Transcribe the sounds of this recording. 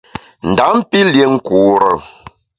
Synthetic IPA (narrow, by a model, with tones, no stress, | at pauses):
n̩˨da˨˦m˦pi˦lje˨ŋ̩˦ku˨ɾə̰˨